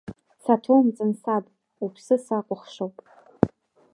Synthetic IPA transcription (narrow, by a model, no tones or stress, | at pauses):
satʰomt͡sʼɨnsapʼ | upʰsɨsaqʷʼʊχʂowpʼ